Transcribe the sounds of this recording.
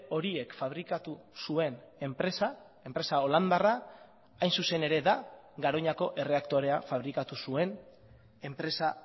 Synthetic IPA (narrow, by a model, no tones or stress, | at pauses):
o̞ɾie̞kfaβ̞ɾikat̪usue̞ne̞mpɾe̞sa | e̞mpɾe̞sao̞land̪ara | ajnsuse̞ne̞ɾe̞ða | ɡaɾo̞ɲako̞ʔe̞re̞akt̪o̞ɾe̞afaβ̞ɾikat̪usue̞n | e̞mpɾe̞sa